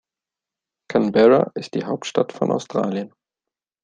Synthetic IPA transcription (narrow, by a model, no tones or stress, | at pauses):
kʰanbɛʁa̰ʔɪst̚d̥iːɦaʊp̚tʃtatfɔnʔa̰ʊstʁ̥a̰ːljən